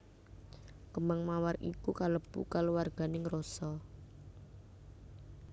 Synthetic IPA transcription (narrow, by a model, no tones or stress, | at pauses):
kəmaŋmawarʔikukaləb̥ṵkaluwarɡ̥a̤nɪŋrosɔ